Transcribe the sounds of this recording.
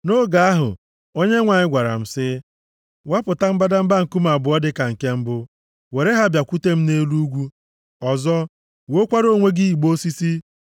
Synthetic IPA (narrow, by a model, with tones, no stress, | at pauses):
no˦ɡa˨a˦ɦʊ̰˨ | o˦ɲe˦ŋʷa˨ɲɪ˦ɡʷa˨ɾa̰˨m̩˨sɪ˦ | wa˦pʊ˨ta˦m̩˦ba˦da˦m̩˦ba˦ŋ̩˨ku˦ma˨bʊ˨ɔ˦dɪ˦ka˨ŋ̩˨ke˦m̩˦bʊ˦ | we˨ɾe˦ɦa˦bja˨kʷu˦te˦m̩˦ne˦lu˦ɡʷu˦ | ɔ˨zɔ˦ | wo˨o˦kʷa˦ɾo˦˨ŋʷe˦ɡɪ˦i˨ɡ͡bo˦si˦si˦